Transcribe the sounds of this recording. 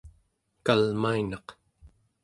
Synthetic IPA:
kalmainɑq

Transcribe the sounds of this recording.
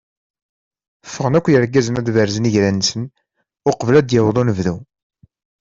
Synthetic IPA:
fːəʁənækʷːjəɾɡːæzənæðvəɾzəniʝɾænːsən | ʊqəvlæd̪jəwðˤonəvðu

